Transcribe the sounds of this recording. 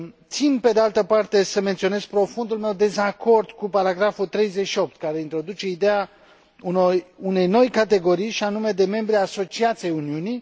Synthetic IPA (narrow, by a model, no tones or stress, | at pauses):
t̪sinpe̞d̪ealt̪əpart̪e̞səme̞nt̪sio̞ne̞z̥pɾo̞fund̪ulme̞wd̪e̞zako̞rd̪̥kupaɾaɡɾafut̪ɾe̞jzet͡ʃʃio̞p̚t̪kaɾe̞int̪ɾo̞d̪ut͡ʃe̞id̪ea | unojune̞jno̞jkat̪e̞ɡo̞ɾijʃianume̞d̪e̞me̞mbɾiaso̞t͡ʃiat̪siejuniunij